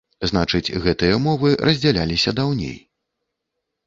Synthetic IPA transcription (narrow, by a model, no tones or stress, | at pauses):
zn̪at͡ʂɨd͡zʲɣɛt̪ɨjɐmɔvɨrɐzʲd͡zʲalʲa̰lʲisʲɐd̪awnʲḛj